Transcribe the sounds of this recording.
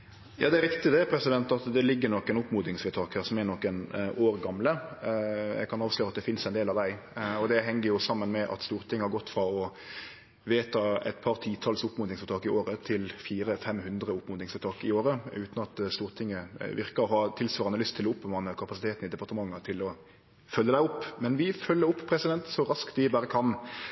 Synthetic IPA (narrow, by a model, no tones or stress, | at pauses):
jɑːd̪ɛæɾɪkt̪ɪd̪ɛpʰɾɛsɪd̪ɛnt̪ɑt̪d̪ɛlɪɡːənɔkːɛnʊpmuːd̪nɪŋsʋɛt̪ʰɑːkhæːʁsɔmɛnɔkːənoːɾɡɑmlə | jɛ̰ɡkʰɑnɑːʋʂløːɾɑt̪̚d̪ɛfɪnsɛɪneːlɑʋd̪æɪɔd̪ɛɦɛŋːəɾjʊsɑmːənmɛʔɑ̰t̪st̪uːʁt̪ʰɪŋːəhɑɾɡɔt̪ːfɾɑɔ | ʋeːt̪ʰɑɛ̰t̪pʰɑʁt̪ʰiːt̪ʰɑlsʊpːmʊnɪŋsfɔɾt̪ʰɑːkɪoːɾət̪ʰɪlfiːɾəfɛmhʉnd̪ɾəʊpːmʊd̪ɪŋsfɔt̪ʰɑːkɪoːɾəʉ̰ːt̪n̩ɑt̪st̪uːʁt̪ʰɪŋːəʋɪɾkəɾɔɦɑt̪ʰɪlsʋɑːʁɑnəlʏst̪ʰɪlɔʊpːmɑːnəkʰɑpɑsɪt̪ʰeːt̪n̩ɪd̪ɛpɑʁt̪əmɑŋːət̪ʰɪlɔ | fœlːəd̪æɪʊpːmɛnʋɪfœlːəɾʊpːpʰɾɛsɪd̪ɛnt̪sɔɾɑskt̪ʋɪbæːɾəkʰɑn